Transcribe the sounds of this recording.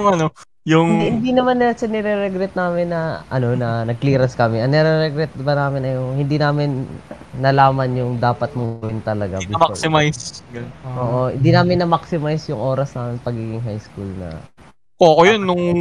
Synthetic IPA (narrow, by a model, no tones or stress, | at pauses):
mɐno | jʊŋɪnhɪnd̪inɐmanːɪlɐʃɐnɛɾɛɾɛɡɾɛt̪̚naːmɪnːɐʔɐno̞nɐnɐɡ̚kliːɾɐskɐmɛʔɐŋnɛɾɛɾɛɡɾɛt̪̚bɐnaːmɪnɐjohɪnd̪inaːmɪnː | ɐlaːmɐnjʊŋd̪aːpɐt̪̚mʊlɪnt̪ɐlɐɡa̰bɪmasɪmajsɡɐʔoːʔo̞hɪ̰nd̪iːnaːmɪnːɐmaksɪmajsjʊŋʔo̞ːɾɐsnaːmɪnpɐɡiːɡɪŋɦajskulnɐ̰ | kokojonːʊŋ